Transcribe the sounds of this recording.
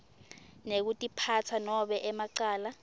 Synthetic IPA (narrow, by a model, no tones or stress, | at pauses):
nek̬utʼipʰat͡sʰanɔɓɛʔɛmaǀaːla